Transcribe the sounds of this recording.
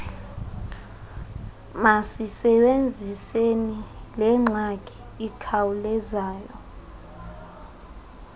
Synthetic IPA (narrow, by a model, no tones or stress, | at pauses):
masisɛɓend͡zʱisenilɛŋ͡ǁʱakʼi̥ | ikʰawulɛzaːjɔ